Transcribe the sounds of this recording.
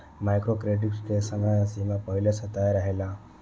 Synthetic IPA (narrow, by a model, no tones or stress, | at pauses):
majkɾokɾeʈiksʈesəmajãsimãpəɦiləsət̪ajɾəɦela